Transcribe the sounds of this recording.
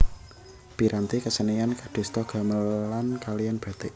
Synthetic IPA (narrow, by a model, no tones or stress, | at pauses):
b̥i̤ɾant̪ikəsənijankaɖ̥e̤st̪ɔɡ̥a̤məlankalijanb̥a̤t̪eʔ